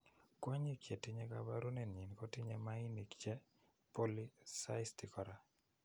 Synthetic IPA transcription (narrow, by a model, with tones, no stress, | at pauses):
kwa˦ɲi˦kje˨tɪ˦ɲɛ˦ka˨ba˦ɾu˦nɛ˨nɲi˨nkɔ˦tɪ˦ɲɛ˦ma˦i˦ni˨kt͡ʃɛ˦ | po˦li˦sa˦ɪsti˨kɔ˨ɾa˨